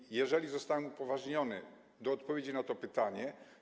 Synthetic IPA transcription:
jɛʐɛlʲizɔst̪awɛmupɔvaʐɲɔnɘ̰ | d̪ɔːt̪pɔvʲjed͡ʑinat̪ɔpɘt̪aɲɛ

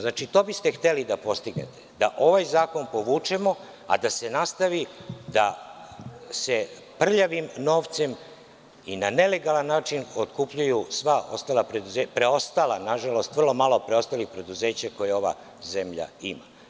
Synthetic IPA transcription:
znat͡ʃit̪o̞ːbist̪e̞xt̪e̞lid̪apo̞st̪iɡnḛt̪e̞̥d̪aʔo̞ʋajzaːko̞npo̞ʋuːt͡ʃe̞mo̞ | a̰d̪ase̞nast̪aʋid̪a | se̞ | pr̩ʎaʋimno̞ːʋt̪se̞m | inane̞le̞ɡalanːaːt͡ʃinot̪kupʎujusʋaʔo̞st̪aːlapɾed̪uzepɾeo̞st̪alˠanaʒalo̞st̪ʋr̩lˠo̞malˠopɾeo̞st̪alixpɾe̞d̪uze̞ːt͡ɕako̞jeo̞ʋa̰ | ze̞mʎa̰ima̰

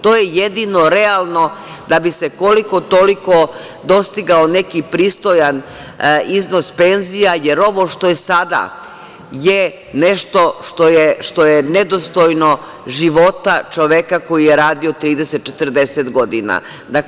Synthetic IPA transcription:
t̪oːjejed̪ino̞ɾealˠno̞ | d̪abise̞ko̞liko̞t̪oliko̞ | d̪o̞st̪iɡaone̞kipɾiːst̪o̞jan | izno̞spe̞nzijajeɾo̞ʋo̞ʃt̪o̞jesad̪a̰ | je | ne̞ʃt̪o̞ʃt̪ojeʃt̪o̞jened̪ost̪ojno̞ | ʒiʋo̞t̪at͡ʃoʋekako̞jijeɾaːd̪io̞t̪ɾiːd̪eset̪̚t͡ʃet̪əɾd̪e̞set̪ɡo̞d̪ina̰ | d̪ak

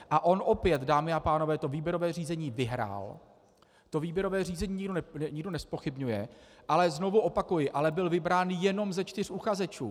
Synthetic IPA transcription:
ʔaʔo̞nʔo̞pjɛt̪daːmɪapaːno̞vɛːt̪o̞viːbjɛɾo̞vɛːriːzɛɲiːvɪɦɾa̰ːl | t̪o̞viːbjɛɾo̞vɛːr̝iːzɛɲiːɲɪɡonɛɲɪɡ̚do̞nɛspo̞xɪbɲujɛʔalɛzno̞vuʔo̞pakujɪʔalɛbɪlvɪbɾaːnjɛno̞mzɛt͡ʃt̪ɪr̝ʔuxazɛt͡ʃuː

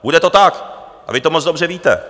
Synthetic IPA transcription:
budɛt̪ot̪ak | ʔa̰vɪt̪omt͡sdobr̝ɛviːt̪ɛ̰

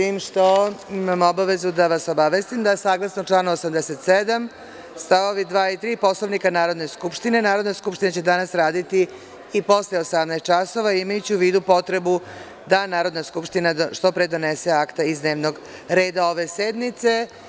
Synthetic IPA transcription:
siːmʃt̪o̞imamobaʋe̞zud̪aʋaso̞baʋest̪imd̪aesaːɡlˠasnot͡ʃlˠaːnuosamd̪ese̞t̪sed̪am | st̪aoʋid̪ʋaːit̪ɾiːpo̞sloʋnikanaːɾo̞d̪ne̞skupʃt̪ine̞naːɾo̞d̪naskupʃt̪inat͡ɕe̞d̪anasɾaːd̪it̪iː | po̞sleosamnast̪t͡ʃaso̞ʋaimajut͡ɕiuʋiːd̪upo̞t̪ɾe̞bu | d̪anaːɾo̞d̪naskupʃt̪inaʃt̪o̞pɾed̪o̞nese̞akt̪aizd̪neːʋno̞ɡ | ɾe̞ːd̪ao̞ʋe̞sed̪nit̪se̞

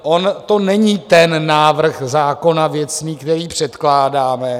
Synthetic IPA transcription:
ʔont̪o̞nɛɲiːt̪ɛnːaːvr̩xzaːko̞navjɛt͡sniːkt̪ɛɾiːpr̝̥ɛt̪klaːdaːmɛ

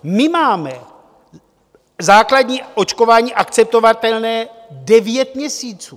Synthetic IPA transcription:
mɪmaːmɛ | zaːkladɲiːʔo̞t͡ʃkovaːɲiːʔakt͡sɛp̚t̪o̞vat̪ɛlnɛː | dɛvjɛt̪mɲɛsiːt͡suː

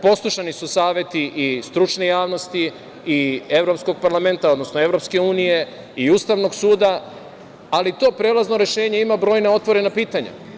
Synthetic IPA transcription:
po̞slˠuʃanisusaːʋje̞t̪iʔist̪ɾut͡ʃnejaːʋno̞st̪i | ie̞ʋɾo̞psko̞ɡ̚paɾlame̞nt̪ao̞d̪no̞snoe̞vɾo̞pske̞uːnije̞ | iuːst̪aʋno̞ɡsuːd̪a | alit̪o̞ːpɾelˠaznoɾe̞ʃe̞ːɲe̞imabɾo̞ːjneo̞t̪ʋo̞ɾe̞napiːt̪aɲa̰

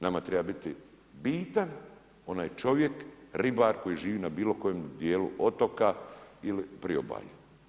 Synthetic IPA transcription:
namat̪ɾebabit̪i | biːt̪an | o̞naːjt͡ʃo̞ʋje̞kɾibaɾko̞jiʒiːʋiːnabiːlo̞ko̞jemd̪jeːlṵʔo̞t̪okailipɾio̰ba̰ju

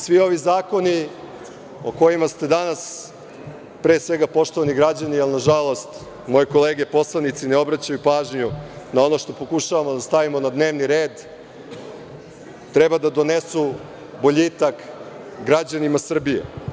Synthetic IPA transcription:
sʋio̞ʋizaːko̞ni | o̰ko̞jimast̪e̞d̪anas | pɾe̞ːsʋe̞ɡapo̞ʃt̪oʋaniɡɾad͡ʑanialnaʒalˠo̞st̪ | mo̞jiko̞leːɡe̞po̞slˠanit̪sineo̞bɾat͡ɕajupaːʒɲunao̞no̞ʃt̪o̞po̞kuʃaʋamod̪ast̪aʋimo̞nad̪ne̞ːʋniɾeːd̪ | t̪ɾebad̪ad̪o̞nesu | bo̞ʎit̪ak | ɡɾad͡ʑanimasr̩bijḛ

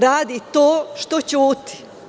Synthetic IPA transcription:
ɾaːd̪it̪oːʃt̪ot͡ɕuːt̪i̥

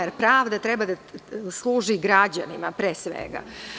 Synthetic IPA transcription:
eɾpɾaːʋd̪at̪ɾebad̪aslˠuːʒiɡɾad͡ʑa̰nimapɾeːsʋḛɡa̰

